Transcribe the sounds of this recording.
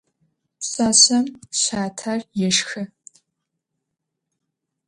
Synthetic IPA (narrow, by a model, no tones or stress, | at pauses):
ɕʼaɕɐmɕaːtʰarjɛʂxɨ